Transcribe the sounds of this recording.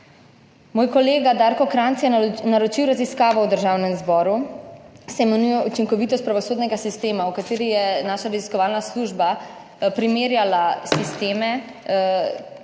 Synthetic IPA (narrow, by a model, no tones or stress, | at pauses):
moːjkɔleːɡad̪aɾkɔkɾant̪sjɛnaɾɔt͡ʃiwɾaziskaːʋɔwd̪əɾʒaːwnɛmzbɔːɾu | sɛmɛnujɔut͡ʃiŋkɔʋiːt̪ɔst̪pɾaʋɔsoːd̪nɛɡasist̪eːmawkat̪eːɾijɛnaːʃaɾɛziskɔʋaːlnasluʒba | pɾimeːɾjalasist̪eːmɛ